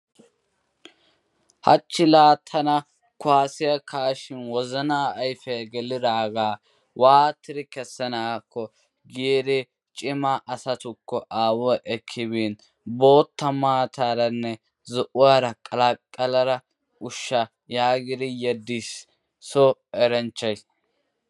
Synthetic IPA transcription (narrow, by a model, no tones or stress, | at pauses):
hɐ̰t͡ʃːɪlaːt̪ʰɐnɐ | kʊaːsɪjɐkʰaːʃɪnwɔzɐnaːjfɛɡɛlɪd̪aːɡaː | waːt̪ːɪɾɪkɛsːɐnaːkʰːɔ | ɡeːɾɛ | t͡ʃʼɪmɐʔɐsɐt̪ʊkːɔʔaːwɔʔɛkʰːɪβiːn | bo̞ːt̪ːɐmaːt̪aːɾɐnːɛ | zɔʔʊwaːɾɐkʼɐlɐkʼːɐlɐɾɐ | ʊʃːɐ | jaːɡɪd̪ɪjɛd̪ːisː | ɔɛɾɛnt͡ʃːɐjs